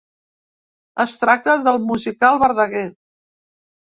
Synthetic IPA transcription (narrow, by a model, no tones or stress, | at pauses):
əst̪ɾak̚t̪əðəlˠmuzikalˠβəɾðəɣɛ